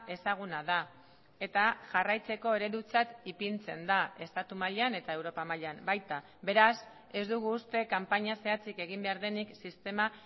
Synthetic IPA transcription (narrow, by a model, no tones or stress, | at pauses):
e̞saɣ̞unaða | e̞t̪aʝarajt͡se̞ko̞e̞ɾe̞ɾut͡sat̪ipint͡se̞nd̪ae̞st̪at̪umaʎane̞t̪ae̞wɾo̞pamaʎambajt̪a | be̞ɾas | e̞zd̪uɣ̞uːst̪e̞kampaɲase̞at͡sike̞ɣ̞imbe̞aɾðe̞niksist̪e̞ma